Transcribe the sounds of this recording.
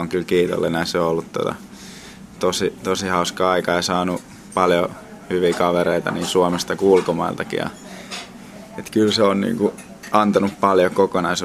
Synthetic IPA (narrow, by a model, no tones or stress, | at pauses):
oŋkylkiːt̪o̰lːenæiseoolːut̪t̪o̰t̪ɑ̰ | t̪osit̪osihɑuskɑːɑikɑeisɑːnu | pɑljo | hyʋikɑʋereit̪ɑ̰niːsuomest̪ɑkuulkomɑilt̪ɑkḭjɑ̰ | et̪kylseonnḭːŋku | ɑnt̪ɑnuppɑljokokonɑis